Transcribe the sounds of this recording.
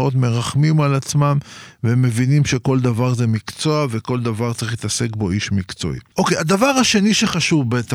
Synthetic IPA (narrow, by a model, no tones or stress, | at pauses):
o̞t̪me̞ʁaχmimalat͡smamveme̞vinimʃe̞ko̞ld̪avaʁzemikt͡so̞ave̞ko̞ld̪avaʁtt͡saʁiχit̪ase̞kbo̞iʃmikt͡so̞̰ḭʔo̞kead̪avaʁaʃe̞niʃeχaʃuvbet̪a